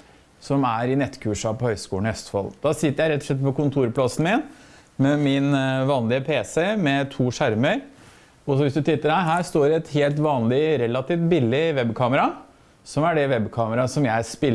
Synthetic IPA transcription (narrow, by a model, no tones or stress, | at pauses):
sɔmæɾɪnɛt̪ːkʰʉːʂɑpɔhœʏskṵːlɳœst̪fɔ̰ld̪̥ɑːsɪt̪ːəɾjæɪɾɛt̪ːɔʂɭɛt̪̚ːpɔkʊnt̪ʰuːɾplɑsn̩mɪn | mɛmɪnʋɑːnlɪəpʰeːsɛmɛt̪ʰuːʂæɾməɾ | ɔsɔʋɪsd̪ʉt̪ʰɪt̪ːəɾhæɦæːst̪oːɾɛɛt̪heːlt̪ʋɑːnlɪɾɛlːɑt̪iːft̪̚bɪlːɪʋɛbkʰɑːməɾɑ | sɔmæɖɛʋɛbkʰɑːməɾɑsɔmjæɪspɪl